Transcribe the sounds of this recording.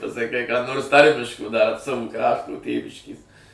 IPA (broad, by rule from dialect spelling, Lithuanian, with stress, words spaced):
pɐsɐˈkɐɪ kɑː noːrs ˈtɐrʲmʲɪʃkoː dɐr ˈsɑːʋʊ ˈkrɑːʃtʊ ˈtʲeːʋʲɪʃʲkʲeːs